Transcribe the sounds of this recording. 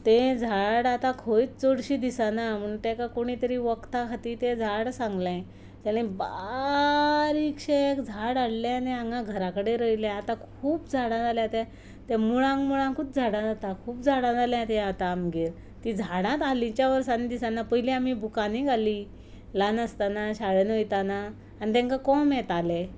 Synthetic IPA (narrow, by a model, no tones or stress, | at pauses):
t̪ẽd͡zʱaɽat̪ãkʰojit͡st͡soɽɕid̪isanam̤əɳt̪ɛ̃kakoɽ̃it̪əɾiːʋəkt̪akʰat̪it̪ẽd͡zʱaɽsãŋɡlẽ | t̪ɛɽ̃ĩba | ɾikɕekd͡zʱaɽaɽlãnẽãŋɡãɡʱəɾakəɽeɾəjlãat̪akʰuːpd͡zʱaɽãt̪aljat̪ɛ̃ | t̪ɛ̃muɭãŋkmuɭãŋkuːt̪̚d͡zʱaɽãd͡zat̪akʰuːp̚d͡zʱaɽ̃ãd͡zaljãt̪ɛ̃at̪aːmɡiɾ | t̪id͡zʱaɽ̃ãt̪alĩt͡ɕjaʋəɾsanid̪isanːapəjliam̤ibukaniɡʱali | lanəst̪anaɕaɭənojt̪anaː | ñit̪ɛ̃ŋkakɔmɛ̃t̪ale